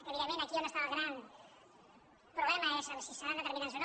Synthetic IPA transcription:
keβiɾamẽnakionest̪aβaɣɾan | pɾoβlemaesasisanand̪et̪eɾminãnsen

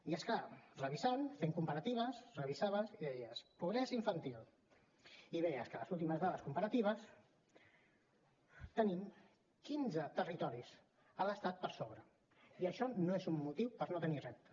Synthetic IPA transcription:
iəskarəβizanfeŋkumpəɾət̪iβ̞əsrəβizaβəsiðɛjəspuɣɾɛsiɱfənt̪ilˠ | iðɛjəskələzulˠt̪iməzðaðəskumpəɾət̪iβ̞əs | t̪ənim | kinzət̪ərit̪ɔɾis | ələst̪at̪̚pəɾsoβɾə | iəʃɔnoezumːut̪iwpəɾnot̪ənirɛp̚t̪ə

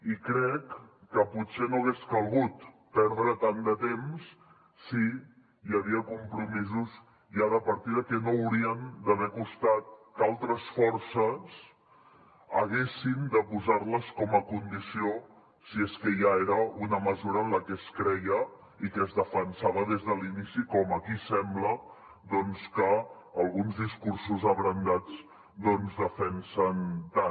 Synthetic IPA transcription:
ikɾɛkːəput̪senoəɣeskəlˠɣut̪ | pɛɾðɾət̪and̪ət̪emsː | i | jəβ̞iəkumpɾumizuz | ʒaðəpəɾt̪iðəkɛnowɾiənd̪əβɛkust̪at̪̚kalˠt̪ɾəsfɔɾsəs | əɣ̞esind̪əpuzarləskɔməkund̪isio | sieskəʒaeɾəunəməzuɾəːnləkɛskɾɛjə | ikəːzðəfənsaβəðezðəlinisikɔməkisɛmblə | d̪ɔnskəː | lˠɣunzðiskuɾsuzəβɾənd̪ad͡z | d̪ɔnzðəfɛnsənt̪a

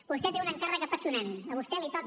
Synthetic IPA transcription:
bust̪ɛt̪eunəŋkarəkəpəsiunanəβust̪ɛlit̪ɔk̪

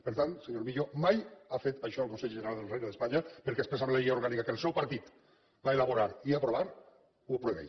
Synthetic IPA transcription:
pəɾt̪anseɲoɾmiʎomajafet̪ajʃɔəlˠkonseʎʒəneɾalˠd̪elˠrejnəðespaɲapeɾkespɾesamleiauɾɣanikakelˠsɛwpaɾt̪it̪ | baelaβoɾaɾiapɾoβaɾ | uapɾueβɛ̰j

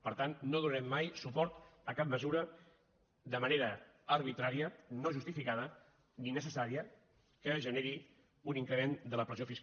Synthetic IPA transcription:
pəɾt̪anːoðunəɾɛmːajsupɔɾt̪əkap̚məzuɾə | d̪əməneɾəəɾβit̪ɾaɾiənoʒust̪ifikað̞ə | ninəsəsaɾiə | kəʒəneɾi | uniŋkɾəmend̪ələpɾəziofis

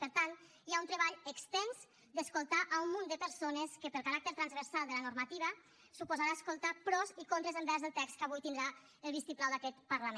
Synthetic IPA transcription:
pəɾt̪alˠ | iaunt̪ɾəβaʎəkst̪ɛnz | d̪əskulˠt̪aʔaumːund̪əpəɾsonəskəpəlkaɾak̚t̪əɾt̪ɾanzβəɾsalˠd̪ələnuɾmat̪iβə | supuzaɾaəskulˠt̪apɾɔzikont̪ɾəzəmbɛɾzðəlˠt̪ɛkst̪̚kaβujt̪ind̪ɾa | əlˠβist̪iplawd̪akɛt̪pəɾlame

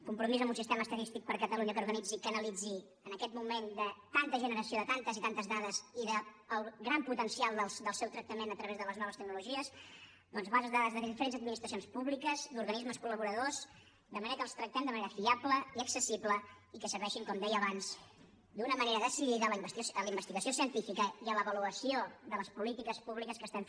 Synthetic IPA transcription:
kumpɾumizəmbunsist̪eməːst̪ət̪ist̪ik̚pəɾkət̪əluɲəkəuɾɣənid͡zikənəlid͡zi | ənəkɛt̪mumend̪ət̪ant̪əʒənəɾəsioðət̪ant̪əzit̪ant̪əzðaðəziðəː | lˠɡɾamput̪ənsialˠd̪əlˠsd̪əlˠsɛwt̪ɾək̚t̪əmenət̪ɾəβezðələznɔβəst̪əɡ̚nuluʒiəz | d̪ɔnzβazəzðaðəzðəðifəɾenzəd̪̚minist̪ɾəsijonspuβlikəzd̪uɾɣənizməskuləβuɾəðoz | d̪əməneɾəkəlˠst̪ɾək̚t̪ɛmd̪əməneɾəfiapləiəksəsiβlə | ikəsəβɛʃiŋkɔmd̪ɛjəəβanz̥ | d̪unəməneɾəðəsiliðələb̪sələimbəst̪iɣəsiosiənt̪ifikəiələβəluəsioðələspulit̪ikəspuβlikəskəst̪aɱ

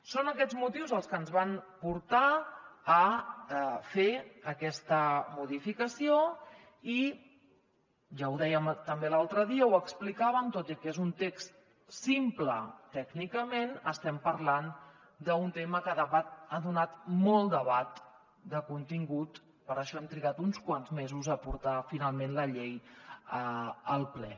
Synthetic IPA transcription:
sonəkɛd͡zmut̪iwzəlˠskənzβanpuɾt̪aː | feəkɛst̪əmuðifikəsio | i | ʒawðɛjəmt̪əmbelalˠt̪ɾəðiəwəksplikaβəmt̪ot̪ikezunt̪ekst̪ | simplət̪ɛɡnikəmenəst̪ɛmpəɾlan | d̪əunt̪eməkəðəβat̪̚aðunat̪mɔlˠd̪əβat̪ | d̪əkunt̪iŋɡut̪ | pəɾəʃɔɛmt̪ɾiɣat̪unskwanzmezuzəpuɾt̪afinalˠmenləʎejəəlˠplɛ

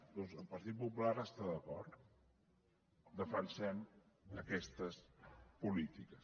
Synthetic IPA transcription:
d̪ɔnzəlˠpəɾt̪it̪̚pupulaɾəst̪aðəkɔɾt̪ | d̪əfənsɛm | əkɛst̪əspulit̪ikəs

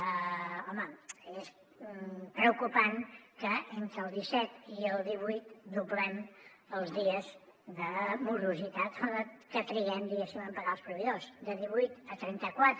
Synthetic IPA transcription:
ɔməes | pɾəukupaŋkəent̪ɾəːlˠd̪isɛt̪iəlˠd̪iβujt̪d̪uβlɛm | əlˠzðiəz | ðəmuɾuzit̪at̪əkət̪ɾiɣɛmd̪iɣesiməmpəɣaəlˠspɾuβiðosd̪əðiβujt̪ət̪ɾɛnt̪əkwat̪ɾ

